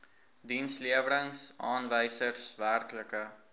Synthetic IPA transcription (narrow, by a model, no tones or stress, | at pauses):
dinsliəvələŋsʔɑːnvəjsərsværkləkə